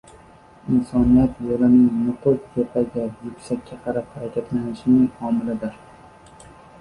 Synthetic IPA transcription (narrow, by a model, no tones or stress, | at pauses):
ɪnsɒnijat̪jolɪnɪŋmʊt̪ʰokt̪ʰopʰaɡʲajʊkʲsakʲːaqʰɑɾaphaɾakʲʰat̪lanɪʃɪnɪŋɒmɪlɪd̪ɪɾ